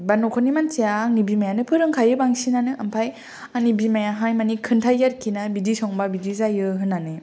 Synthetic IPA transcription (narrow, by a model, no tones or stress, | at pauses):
banɔkʰɔnimansijaːŋnibimajanɯpʰɯɾɯŋkʰajɯbaŋsinanɯʔampʰaj | aŋnibimajaɦajmanikʰɯntʰajɡaɾkʰinabidisɔŋbabidizajɯɦɯnːanɯ